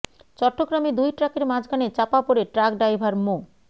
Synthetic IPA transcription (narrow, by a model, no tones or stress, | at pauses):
t͡ɕɔʈːoɡɾamed̪ujʈɾakeɾmad͡ʑɡanet͡ɕapapoɾeʈɾakɖajbʱaɾmo